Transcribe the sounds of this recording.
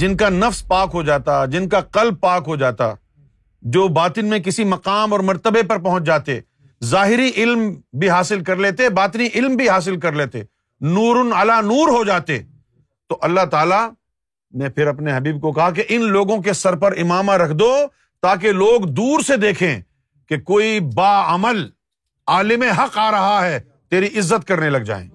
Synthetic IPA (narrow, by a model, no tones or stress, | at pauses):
d͡ʒɪnkanɐfspaːkɦod͡ʒaːt̪ad͡ʒɪnkaqɐlb̚paːkɦod͡ʒaːt̪a̰ | d͡ʒoːbaːt̪ɪnmẽk̬ɪsimɐqaːmɔːɾmɐɾt̪əbepɐɾpɐɦʊ̃t͡ʃd͡ʒaːt̪e | zaːɦɪɾiʔɪlmbʱiɦaːsɪlkɐɾleːt̪ebaːt̪niʔɪlmbʱiɦaːs̬ɪlk̬ɐɾleːt̪ḛː | nuːɾʊnalanuːɾɦod͡ʒaːt̪ḛ | t̪oʔɐlːaɦt̪aːla | mɛ̃pʰɪɾɐpneɦɐbiːb̚kokɐɦak̬eʔɪnloːɡõk̬esɐɾpɐɾɪmaːmaɾɐkʰd̪oː | t̪aːk̬eloːɡd̪uːɾsed̪eːkʰẽː | kekoːibaːɐməl | aːlɪmẽɦɐqaːɾɐɦaɦɛː | t̪eːɾiʔɪzːət̪̚kɐɾnelɐɡ̚d͡ʒa̰ːḛ̃ː